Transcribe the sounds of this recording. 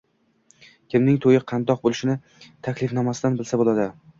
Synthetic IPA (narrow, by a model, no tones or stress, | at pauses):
kʲɪmnɪŋt̪ʰojɪqʰɑnd̪ɒq̚bolˠɪʃɪnɪ | t̪ʰakʲlɪfnamasɪd̪anbɪlsabolˠad̪ɪ